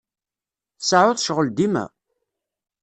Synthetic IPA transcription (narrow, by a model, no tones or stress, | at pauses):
θsaʕʊθʃʁəld̪imæ̰